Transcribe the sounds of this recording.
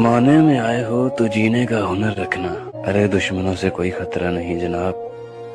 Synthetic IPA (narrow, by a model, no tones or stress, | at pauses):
maːnemẽaːeɦoːt̪od͡ʒiːnekaɦʊnəɾːɐkʰnaː | ɐɾed̪ʊʃmənõsekoːixɐt̪ɾanɐɦĩd͡ʒɐnaːb̚